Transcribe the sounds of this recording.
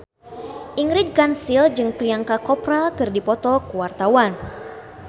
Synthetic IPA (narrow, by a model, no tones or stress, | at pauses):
ʔiŋɾid̚kansild͡ʒɨŋpliaŋkakɔpɾakɨrdipɔt̪ɔkəwart̪awan